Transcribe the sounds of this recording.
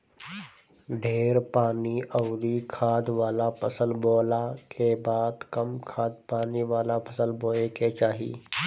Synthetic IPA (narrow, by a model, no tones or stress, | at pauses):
ɖʱeːɾpaːniʔəʊɾikʰaːd̪ʋaːlapʰəsəlboːlakebaːd̪kəmkʰaːd̪̚paːniʋaːlapʰəsəlboːleket͡ʃaːɦḭː